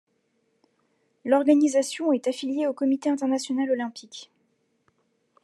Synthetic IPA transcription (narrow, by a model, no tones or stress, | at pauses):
lɔʁɡanizasjɔ̃ɛt̪afiljeokɔmit̪eɛ̃t̪ɛʁnasjɔnalɔlɛ̃pik